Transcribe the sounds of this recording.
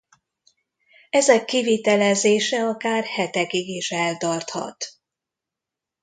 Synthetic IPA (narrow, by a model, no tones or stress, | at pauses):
ɛzɛkːivit̪ɛlɛzeːʃɛɒkaːrhɛt̪ɛɡiɡeːʃɛlt̪ɒrt̪hɒ̰t̪